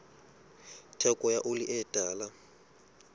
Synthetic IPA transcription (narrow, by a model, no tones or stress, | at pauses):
tʰɛkʼɔjaʔʊlɪʔɛtʼaːla